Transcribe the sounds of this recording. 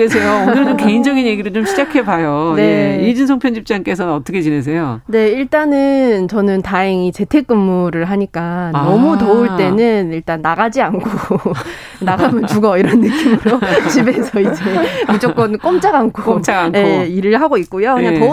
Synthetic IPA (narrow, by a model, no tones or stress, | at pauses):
esʰejoonɯɾɯt͡ɕomke̞ind͡ʑʌɡinje̞ɡiɾɯɭt͡ɕomɕʰid͡ʑakʰe̞bajone̞id͡ʑɯnsʰoŋpʰjʌnd͡ʑip̚t͡ɕ͈aŋk͈e̞sʰʌnnʌt͈ʰʌkʰet͡ɕines̬ʰejone̞iɭt͈anɯnt͡ɕʌnɯntaeŋit͡ɕe̞tʰe̞k̚k͈ɯmːuɾɯɭɦaɲik͈anʌmutouɭt͈e̞nɯniɭt͈anːaɣad͡ʑiankʰo | naɡamɯnt͡ɕuɡʌiɾʌnːɯk͈imɯɾot͡ɕibe̞sʰʌid͡ʑe̞mud͡ʑokk͈ʌnk͈omt͡ɕ͈aɡankʰot͡ɕ͈aɡanje̞iɾɯɭɦaɡoik̚k͈ujokɯɲɲatʌ